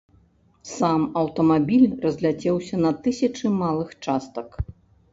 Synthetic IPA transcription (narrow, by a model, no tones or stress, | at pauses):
samɐwt̪ɐmabʲilʲrɐzʲlʲat͡sʲɛwsʲɐnɐt̪ɨsʲɐt͡ʂɨmalˠɨxt͡ʂast̪ɐk